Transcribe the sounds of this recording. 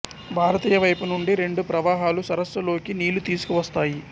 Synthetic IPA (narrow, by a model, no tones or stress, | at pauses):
bʱaːɾɐt̪iːjɐʋɐjpunuɳɖiɾe̞ɳɖupɾɐʋaːɦaːlusɐɾɐsːɐlo̞ːkiniːlut̪iːsu̥kuʋɐst̪aːji